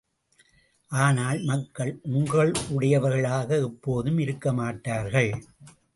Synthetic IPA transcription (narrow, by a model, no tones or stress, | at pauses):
ʔaːnaːlmɐkːɐɭʔʊŋɡɐɭʊɽɐjɐʋɐɾɣɐɭaːɣɐɛpːoːðɯmɪɾɯkːɐmaːʈːaːɾɣɐɭ